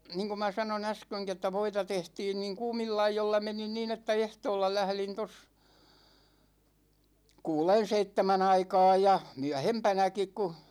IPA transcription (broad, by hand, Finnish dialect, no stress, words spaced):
niːŋku mɑ sɑnon æskøŋki etːæ ʋoitɑ tehtiːn niːŋ kuːmilːɑ ɑijolːɑ menin niːn etːæ ehtoːlːɑ læhlin tos kuːlen̞ seitːemæn ɑikɑːj jɑ myæhempænækik ku